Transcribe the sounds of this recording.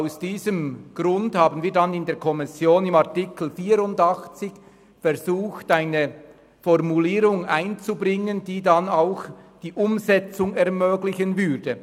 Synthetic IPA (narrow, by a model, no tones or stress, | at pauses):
aʊsd̥iːzəmɡ̥ʁʊndhaːbənviːɐdanɪndeːɐkʰɔmɪsjoːnɪmaʁtɪkl̩fiːɾʊndɑxt͡sɪç | fɛɾzuːxtaɪnə | fɔʁmuliːɾʊŋaɪnt͡subʁɪŋənd̥iːdanaʊxd̥iːʔʊmzɛt͡sʊŋɛʁmøːɡlɪçənvʏdə